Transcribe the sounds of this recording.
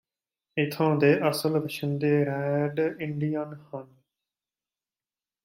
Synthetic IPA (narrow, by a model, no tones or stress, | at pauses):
ɪt̪ʰõːd̪eːʔəsəlʋəʃʰənd̪eːɾɛːɖɪɳɖɪjanhən